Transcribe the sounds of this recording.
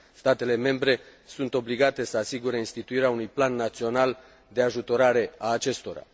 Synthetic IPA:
st̪at̪e̞le̞me̞mbɾe̞sunt̪o̞bliɡat̪e̞səasiɡuɾeinst̪it̪uiɾeaunujplanːat̪sio̞nal | d̪e̞aʒut̪o̞ɾaɾe̞aːt͡ʃe̞st̪o̞ɾa̰

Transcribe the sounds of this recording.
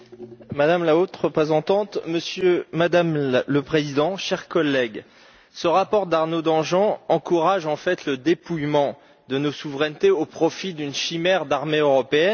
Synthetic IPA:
mad̪amlaot̪ʁəpχezɑ̃t̪ɑ̃t̪məsjømad̪amləpχezid̪ɑ̃ʃɛʁkɔlːɛɡ | səʁapɔʁd̪aʁnod̪ɑ̃ʒɑ̃ɑ̃kuʁaʒɑ̃fɛt̪ləd̪epujmɑ̃ | d̪ənosuvʁɛnt̪eopχɔfid̪ynʃimɛʁd̪aʁmeøʁɔpeɛn

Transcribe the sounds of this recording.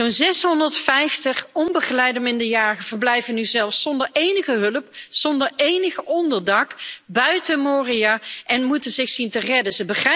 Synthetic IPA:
zonzɛsɦɔndəɹtfɛjftəχɔmbəχəlɛjdəmɪndəɹjaːχəv̥əɹblɛjvənyzɛlˠfsɔndəɹejnəχəɦɵləpz̥ɔndəɹejnəχəɔndəɹdɑkbœɥtəmoːrijaːʔɛnmutənzɪxsintərɛdəzəbəχɛ

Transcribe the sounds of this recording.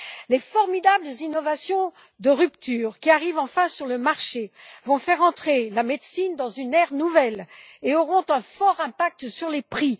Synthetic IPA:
lefɔʁmid̪abləzinɔvasjɔ̃ | d̪əʁypt̪ʰyːʁkʲiaʁivɑ̃fɛ̃syʁləmaʁʃevɔ̃fɛʁɑ̃t̪χelamed̪sind̪ɑ̃zynɛʁnuvɛleɔʁɔ̃t̪ɛ̃fɔʁɛ̃pak̚t̪syʁlepχi

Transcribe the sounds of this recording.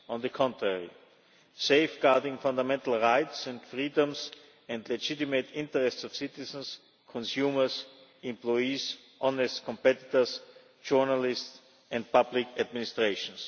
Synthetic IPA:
ɔ̃nðəkʰɔ̃ntɹɛɹḭ | seɪfɡ̥aɹdɪ̃ŋfãndamɛ̃ntl̩ˠɹaɪtsɛ̃ndfɹiːdə̃ms | ɛ̃ndlɛd͡ʒɪtɪmetɪ̃ntəɹɛstsɔfsɪtɪsə̃ns | kʰɔ̃nsjuːmə˞sɪ̃mplɔɪis | ʔɔ̃nɛstkʰɔ̃mpɛtɪtə˞s | d͡ʒɔɹnalɪsts | ɛ̃nd̚pʰablɪkʰædmɪnɪstɹeɪʃɔ̃ns

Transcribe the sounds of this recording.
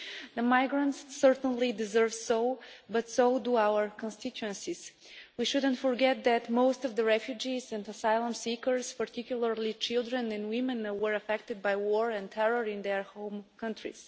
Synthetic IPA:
ðəmajɡɹə̃ntsːəɹt̪ə̃nlidɪzɜ˞vsoʊbʌt̪soʊduawəɹkɔ̃nst̪ɪtuə̃nsis | wiʃʊd̪ə̃ntfɔɹɡɛt̪̚d̪æt̪moʊst̪ɔvd̪əɹɛfjud͡ʒizɛ̃nəsajlˠə̃msikəɹspəɹt̪ikjʊlˠəɹlit͡ʃɪlˠd̪ɹɛ̃nɛ̃nwɪ̃mɛ̃nwə˞əfɛk̚t̪ɨd̪̚bajwɔɹɛ̃nt̪ʰɛɹəɹɪ̃nd̪ɛɹhõʊ̃mkʰʌ̃ntɹḭs

